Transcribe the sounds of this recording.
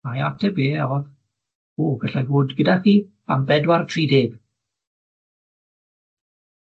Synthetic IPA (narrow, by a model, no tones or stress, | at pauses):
majatʰɛbeːɔð | oːɡəɬaɡʊːdɡədaχiː | a̰mbɛdwartʰriːdeːb̥